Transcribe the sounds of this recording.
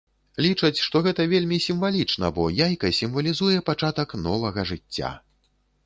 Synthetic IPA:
lʲit͡ʂɐt͡sʲʂt̪ɔɣɛt̪ɐvʲelʲmʲisʲimvalʲit͡ʂnɐbɔjajkɐsʲimvɐlʲizujɛpat͡ʂat̪ɐknɔvɐɣɐʐɨt͡sʲːa̰

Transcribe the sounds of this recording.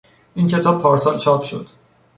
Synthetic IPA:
ʔincʰe̞t̪ʰɒːb̚pʰɒːɾsɒːlt͡ʃʰɒːpʃo̰d̪̥

